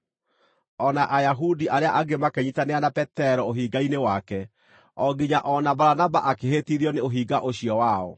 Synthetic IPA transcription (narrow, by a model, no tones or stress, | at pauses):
ɔnaʔajaɦudiʔaɾeaʔaɡemakɛɲitaneanapɛtɛɾɔoɦiɡainewakɛ | ɔɡiɲaʔɔnabaɾanabaʔakeɦetiðiɔneoɦiːɡaʔoɕiɔwaɔ̰